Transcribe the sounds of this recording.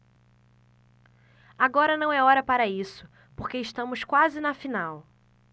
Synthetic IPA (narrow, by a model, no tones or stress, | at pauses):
aɡɔɾɐnɐ̃w̃ɛɔɾɐpaɾɐisʊ̥ | poχkeɪʃt̪ɐ̃mʊskwazɪnɐfinaw